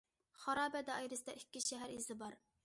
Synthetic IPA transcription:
χɑɾɑːbɛd̪ɛɑjɾɨsd̪ɑikʲːiʃɛɦæɾizɪbɑɾ

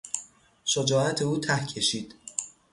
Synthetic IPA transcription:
ʃod͡ʒɒːæt̪ʰeuːt̪ʰæhcʰe̞ʃiːd̪̥

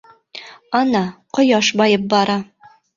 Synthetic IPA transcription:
ɑnɑqŏjɑʃbɑjɤp̚bɑɾɑ

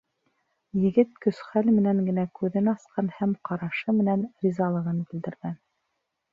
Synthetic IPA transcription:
jɘ̆ɡɘt̪̚kɵ̆sχælmɘ̆næŋɡɘ̆nækʉðɘnɑsqɑnhæmqɑɾɑʃɤmɘ̆nænɾʲizɑlˠɤ̆ʁɤnbɘ̆ld̪ɘ̆ɾɡæn

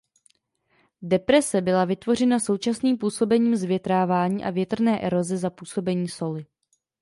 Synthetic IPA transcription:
dɛpɾɛsɛbɪlavɪt̪vo̞r̝ɛnaso̞wt͡ʃasniːmpuːso̞bɛɲiːmzvjɛt̪ɾaːvaːɲiːʔa̰vjɛt̪r̩nɛːʔɛɾo̞zɛzapuːso̞bɛɲiːso̞lɪ

